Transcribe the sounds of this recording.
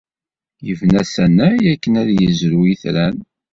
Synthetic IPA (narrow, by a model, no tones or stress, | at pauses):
jəvnæsænæjækːənæðjəzɾuiθɾæn